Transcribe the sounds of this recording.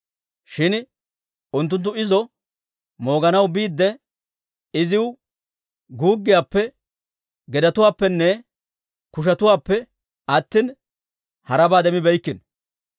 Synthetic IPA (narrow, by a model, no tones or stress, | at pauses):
ʃɪn | ʊnt̪ːʊnt̪̬ːʊɪzɔ | mo̞ːɡɐnɐwbiːd̪ːɛ | ɪzɪw | ɡuːɡːɪjaːpːɛ | ɡɛd̪ɐt̪ʊwaːpːɛnːɛ | kʊʃ̬ɐt̪ʊwaːpːɛ | ʔɐt̪ːɪn | hɐɾɐbaːd̪ɛmɪbɛjkːɪn